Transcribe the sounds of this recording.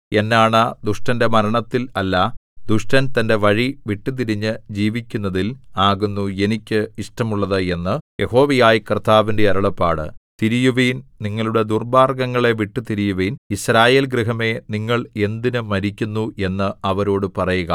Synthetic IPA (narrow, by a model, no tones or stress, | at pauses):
e̞nːaːɳɐd̪uʂʈɐnde̞mɐɾɐɳɐt̪ːilɐlːɐd̪uʂʈɐnt̪ɐnde̞ʋɐɻiʋiʈːɨt̪̬iɾiɲːɨd͡ʑiːʋikʲːunːɐðilaːɣunːue̞nikʲːɨiʂʈɐmuɭːɐðɨe̞nːɨjʔe̞ho̞ːʋɐjaːjikrt̪ʰːaːʋinde̞ɐɾɐɭɐpːa̰ːɽɨ̰t̪iɾijuʋijnniŋːɐɭuɽe̞d̪urbaːrɡɐŋːɐɭe̞ʋiʈːɨt̪iɾijuʋinisɾaːje̞ːlɡɾiɦɐme̞niŋːɐɭe̞nd̪inɨmɐɾikʲːunːue̞nːɨɐʋɐɾo̞ːɽɨpɐrɐjuɣɐ̰